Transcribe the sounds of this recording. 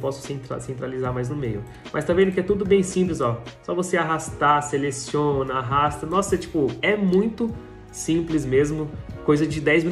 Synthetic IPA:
pɔsʊ̥sẽt̪ɾa̰sẽnt̪ɾalizaɾmajznʊmejʊ | mʔɐst̪avẽnd̪ʊkɪɛt̪ud̪ʊbẽj̃sĩmplɪzɔsɔvoseaɦast̪aselesiõnɐaɦast̪ɐnɔsɐt͡ʃi̥pʊɛmũj̃t̪ʊ | sĩplɪzmezmʊkojzɐd͡ʒɪd̪ɛjzmi

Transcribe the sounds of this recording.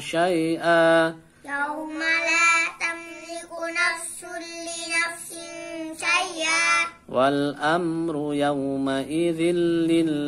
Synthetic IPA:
ʃajʔaː | jawmalaːt̪amzɪʔʊnafsʊlɪnafsɪnʃajʔaː | walʔamɾʊjawmaʔɪðɪnːɪ

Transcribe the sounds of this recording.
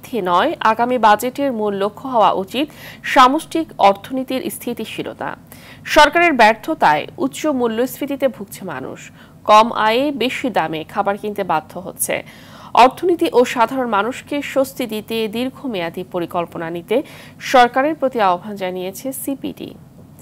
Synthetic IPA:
t̪ʰenɔeʔaɡamibad͡ʑeʈeɾmunlokʰːoɦɔoa̰ʔut͡ɕit̪ʃamosʈikɔɾt̪ʰonit̪iɾʔst̪ʰit̪iʃʰilo̰t̪a̰ | ʃɔɾkaɾeɾbɛɾt̪ʰot̪aeut̪ːɕomulːosɾit̪it̪ebʱuk̚t͡ɕʰema̰nṵʃ | kɔmʔa̰jebeʃid̪amekʰabaɾkint̪ebad̪ʱːoɦo̰tːɕʰḛ | ɔɾt̪ʰonit̪iʔoʃad̪ʱaɾonmanuʃkeʃost̪id̪it̪ed̪iɾɡʱomead̪ipoɾikolponanit̪eʃɔɾkaɾeɾpɾot̪iaobʱand͡ʑanijet͡ɕʰesipḭɖḭ

